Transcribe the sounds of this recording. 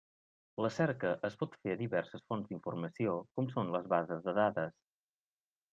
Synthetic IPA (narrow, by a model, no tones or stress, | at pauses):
ləsɛɾkəʔəspɔt̪feəðiβɛrsəsfonzd̪iɱfurməsiokɔmsonləzβazəzðəðaðəs